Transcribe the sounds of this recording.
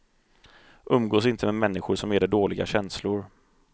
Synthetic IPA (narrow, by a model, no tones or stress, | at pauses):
ʔɵmːɡoːsɪnt̪ʰəmɛmɛnːɪxʊʂɔmæɖɛɖoːlɪɡa̰ɕɛnslʊɾ